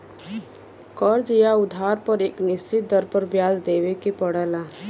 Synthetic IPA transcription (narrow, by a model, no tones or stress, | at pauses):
kɔːɾd͡ʒijaʊd̪ʱaːɾpɐɾeːknɪst͡ʃɪt̪̚d̪ɐɾpəɾbjaːd͡ʒd̪eːʋekepəɽəlaː